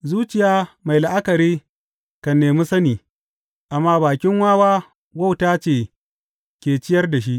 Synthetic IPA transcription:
zuː˦t͡ʃɪ˨jaː˦ma˨jla˨ʔa˦kɐ˨ɾiː˦ | kɐ˨nːeː˨mi˦sɐ˦niː˨ | ʔa˨mːaː˦baː˨kʲɪ˦ŋwaː˦waː˦ | wa˦˨wtaː˦t͡ʃeː˨ | kʲeː˨t͡ʃɪ˦jɐ˦rda˨ʃ̬i˦ʔ

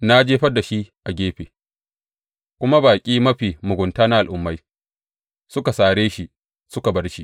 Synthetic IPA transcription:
na˦d͡ʒeː˦ɸɐ˦da˨ʃi˦ʔa˨ɡʲeː˦ɸeː˨ | kʷʊ˦ma˦baː˨kʲʼiː˦mɐ˦ɸiː˨mʊ˨ɡʷʊ˨ntaː˦na˦ʔa˨lʔʊ˨mːa˦j | sʊ˦ka˨saː˨ɽeː˦ʃi˨ | sʊ˦ka˨bɐ˦rʃi˦ʔ

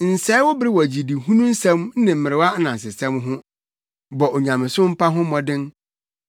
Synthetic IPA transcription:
n̩˨sɛ˦wɔ˦bɪ˦ɾɪ˦wɔ˨d͡ʑi˨di˨hũ˦nũ˦n̩˦sɛ̃˦mn̩˦nɪ̃˨m̩˨mɪ˨ɾɪ˨wa˦nã˨n̩˨s̬ɪ˨sɛ̃˦mɦʊ̃˦ | bɔ˨ʔo˨ɲã˨mɪ̃˨sʊ̃˦m̩˦pʰa˦ɦʊ̃˦mɔ̃˨dɪ̃˦n

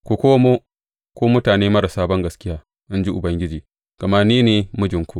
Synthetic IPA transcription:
ku˨kʷoː˦moː˦ | kʷoː˦mʊ˦taː˨neː˦mɐ˦ɽa˨saː˦bɐ˦ŋɡɐ˨skʲɪ˦jaː˦ | ʔɪ˦nd͡ʒi˦ʔʊ˨bɐ˦ŋɡʲɪ˦d͡ʒiː˨ | ɡ̥ɐ˨ma˦niː˦neː˨mʊ˦d͡ʒɪ˨ŋkʷu˦ʔ

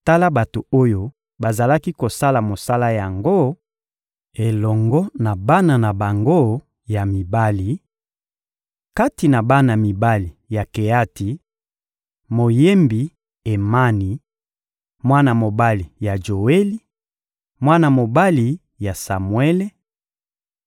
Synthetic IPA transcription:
ta˦la˦ba˨to˨o˦jo˦ | ba˨za˨la˦ki˦ko˨sa˦la˨mo˨sa˦la˦ja˨ŋɡo˦ | e˨lɔ˨ŋɡɔ˦na˨ba˦na˨na˨ba˨ŋɡo˦ | ja˨mi˨ba˦li˨ | ka˦ti˨na˨ba˦na˨mi˨ba˦li˨ja˨ke˨ja˦ti˨ | mo˨je˦mbi˨ | e˨ma˦ni˨ | mwa˦na˨mo˨ba˦li˨ja˨ʒo˨we˦li˦ | mwa˦na˨mo˨ba˦li˨ | ja˨sa˨mwe˦le˦

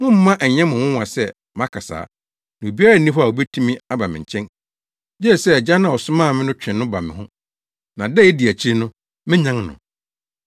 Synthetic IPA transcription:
wʊ̃˦m̩˦mã˦ʔɛ˨ɲɛ̃˦mʊ̃˨wʊ̃˦wã˨sɛ˦ | m˦ã˦kʰa˨sa̰ː˨˦ | nã˨o˨bi˦a˦ɾa˦n̩˨nĩ˦fa˨o˨bɛ˦tʰũ˦mĩ˦a˦ba˨mɪ̃˨ɲ̩˨t͡ɕʰɛ̃˦n | d͡ʑɛ˦˨sɛ˦˨d͡ʑa˦nã˨ɔ˨sʊ˦mãː˦˨mɪ̃˦nʊ̃˦t͡ɕᶣɪ̃˨nːʊ̃˦ba˨mɪ̰̃˨ɦʊ̃˦ | nã˨dɛ˦˨ɛ˦di˨æ˨t͡ɕʰi˦ɾi˦nʊ̃˦ | mɪ̃˦ɲã˦ŋnʊ̰̃˨

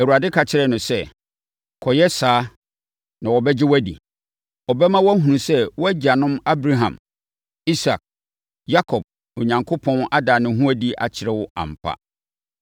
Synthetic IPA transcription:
ɛ˨wu˨a˨dɪ˦kʰa˨t͡ɕʰɪ˨ɾɛ˦nʊ̃˨sɛ˦˨ | kʰɔ˨jɛ˦saː˨˦ | nã˨wɔ˨bɛ˦d͡ʑɪ˦wæ˦dḭ˨ | ɔ˨bɛ˦mã˦wɔ˦æ˦ɦũ˨ũ˨sɛ˦wɔ˦æ˦d͡ʑa˨nʊ̃˦ma˦bɾa˦ɦã˨m | i˦sa˨k̚ | ja˦kʰɔ˨b̥̚ | o˨ɲã˨ŋkʰo˦pʰɔ̃˦na˦daː˨nʊ̃˨˦ɦũ˦æ˦di˦ʔa̰˨t͡ɕʰɪ˨ɾɛ˦wʊ˦ã̰˨m̩˨pʰa̰˦

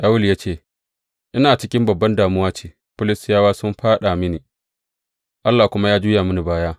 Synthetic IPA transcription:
ʔa˦wʊ˦ljaː˦t͡ʃeː˦˨ | ʔɪ˦naː˨t͡ʃɪ˦kʲɪ˦mbɐ˨bːɐ˦ndaː˨mʊ˦waː˦t͡ʃiː˨ | pʊ˦lɪ˨sɪ˦jaː˦waː˦sʊ˦mɸaː˦ɗa˨mɪ˦niː˨ | ʔa˦lːaː˨kʷʊ˦ma˦jaː˦d͡ʒuː˦jaː˨mʊ˦ni˨baː˦jaː˦

